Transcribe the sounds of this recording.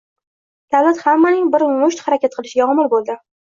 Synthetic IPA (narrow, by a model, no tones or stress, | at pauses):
d̪̥avlat̪hamːanɪŋbɪɾmʊʃt̪haɾakʲat̪̚qʰɨlˠɪʃɪɡʲaɒmɪlbolˠd̪ɪ